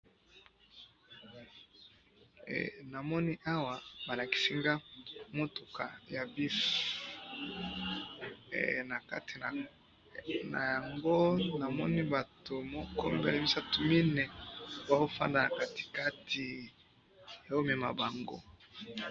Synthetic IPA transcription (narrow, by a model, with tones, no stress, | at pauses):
na˨mɔ˦ni˦ʔa˦wa˨ba˨la˨ki̥˨si˦ŋɡa˦mo˦to˨ka̰˨ja˨bi˦f | na˨ka̰˦ti˨n˨ | na̰˨ja˨ŋɡo˦na˨mɔ̰˦ni˦ba˨to˨mo˦kɔ˦mbɛ˦le˨mi˦sa˦tu˨mi˦nɛ˨ba˨ɦo˦fa̰˦nda˨na˨ka˦˨ti̥˨ka˦tʰi˨ | ja˨o˦me˨ma̰˨ba˨ŋɡo̰˦